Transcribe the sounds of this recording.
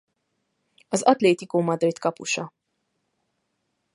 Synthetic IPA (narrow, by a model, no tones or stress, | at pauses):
ɒzɒt̪leːt̪ikoːmɒd̪rit̪kɒpṵʃɒ